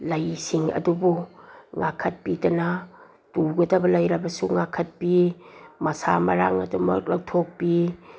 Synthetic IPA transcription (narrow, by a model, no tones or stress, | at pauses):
lɐjsiŋɐ̰dubuŋakʰɐt̚pidɐnɐ | tuɡɐdɐbɐlɐjɾɐbɐsuŋakʰɐt̚pimɐsamɐɾa̰ŋɐ̰dumɐ̰k̚lɐktʰok̚pi